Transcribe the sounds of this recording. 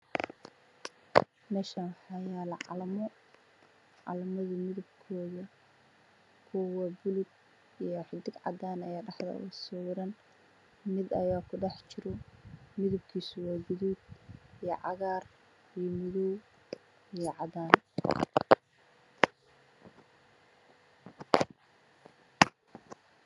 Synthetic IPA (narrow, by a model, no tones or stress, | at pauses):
nɐʃɐnħɑjaːlɑlmɔ | ʕɑ̰lɐmɐðɐmɪðʊbkʰɔːðɐ | kʰʊwɐbʊlʊd̪̚ | ijɔħɪd̪ɪɡʕɑ̰d̪aːnɐjaːɖɑħðɐ̰ʊsɔɾɐn | mɪd̪ɐjaːkʰʊɖɑħt͡ʃɪɾɔmɪðʊbkʰiːsʊwaːɡʊðuːd̪̚ijɔʕɑ̰ɣaːr | ijɔmʊðuw | ijɔʕɑðaːn